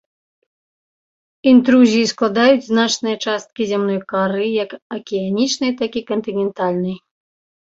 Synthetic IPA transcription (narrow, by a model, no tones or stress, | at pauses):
int̪ɾuzʲijisklˠad̪ajut͡sʲznat͡ʂnɨjɐt͡ʂast̪̚kʲizʲamnɔjkaɾɨjɐkɐkʲianʲit͡ʂnɨjt̪akʲikɔnt̪ɨnʲɛnt̪alʲnɨj